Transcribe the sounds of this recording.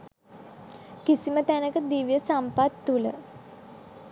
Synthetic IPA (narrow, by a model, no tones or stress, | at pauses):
kisimət̪ænəkəd̪iʋijəsampat̪ːulə̰